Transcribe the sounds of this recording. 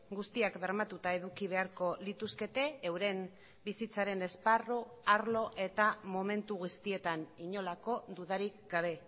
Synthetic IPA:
ɡust̪iakbe̞ɾmat̪ut̪ae̞ðukiβ̞e̞aɾko̞lit̪uske̞t̪e̞ːwɾe̞m | bisit͡saɾe̞ne̞sparoaɾlo̞ʔe̞t̪amo̞me̞nt̪uɣust̪ie̞t̪aniɲo̞lako̞d̪uð̞aɾikɡaβ̞e̞

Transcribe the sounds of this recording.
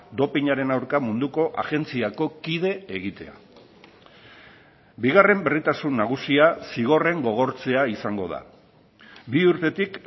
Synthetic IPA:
d̪o̞piɲaɾe̞nawɾkamund̪uko̞ʔa̰ɣe̞nt͡siako̞kið̞e̞eɣ̞it̪e̞a̰ | biɣ̞are̞mbe̞rit̪asunːaɣ̞usiasiɣ̞o̞re̞ŋɡo̞ɣ̞o̞ɾt͡se̞aisaŋɡo̞ð̞a̰ | biuɾt̪e̞t̪ik

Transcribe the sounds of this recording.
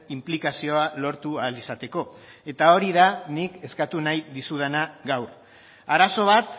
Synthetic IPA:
implikasio̞alo̞ɾt̪ualisat̪e̞ko̞ | e̞t̪ao̞ɾiðanike̞skat̪unajðisuð̞e̞naɣawɾ | aɾaso̞β̞at̪

